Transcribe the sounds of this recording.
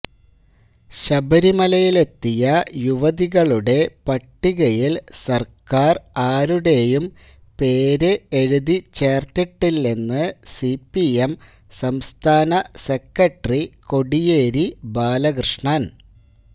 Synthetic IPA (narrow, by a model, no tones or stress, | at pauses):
ɕɐbɐɾimɐlɐjile̞t̪ːijɐjuʋɐðiɣɐɭuɽe̞pɐʈːiɣɐjilsɐrkaːraːɾuɽe̞jum | pe̞ːɾeeɻuðit͡ɕe̞ːrt̪iʈːilːenːɨsipːiem | sɐmst̪ʰaːnɐse̞kːɐʈriko̞ɽije̞ːɾibaːlɐkrɨʂɳaːn